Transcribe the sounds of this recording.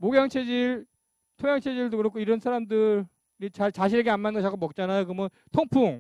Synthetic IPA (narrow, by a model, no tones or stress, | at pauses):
moɡjʌŋt͡ɕʰed͡ʑiɭ | tʰoŋjaŋt͡ɕʰed͡ʑiɭdokɯɾʌkʰoiɾʌnsʰaɾamdɯɾ | ɾit͡ɕaɭt͡ɕaɕʰineɡeanmanɡʌt͡ɕʰak͈omʌk̚t͡ɕ͈anajokɯmʌ | tʰoŋpʰuŋ